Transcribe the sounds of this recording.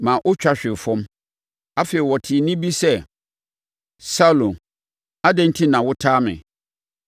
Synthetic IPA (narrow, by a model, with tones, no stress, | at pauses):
mãː˨ʔʊ˦t͡ɕᶣa˦ɕᶣɪ˨fɔ̃˦m | a˦fe˨i˨wɔ˨tʰɪ˨nɪ̃˦bi˦sɛ˦ | sa˦lõ˨n | a˦dɛ̃˦n̩˦tʰĩ˦nã˨wʊ˦tʰaː˦mɪ̰̃˨